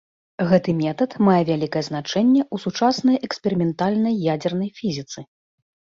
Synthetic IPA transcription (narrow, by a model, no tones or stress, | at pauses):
ɣɛt̪ɨmʲɛt̪ɐt̪majɛvʲalʲikɐjɛznat͡ʂɛnʲːɛʔusut͡ʂasnɐjɛksʲpʲɛɾɨmʲɛnt̪alʲnɐjːad͡zʲɛrnɐjfʲizʲit̪sɨ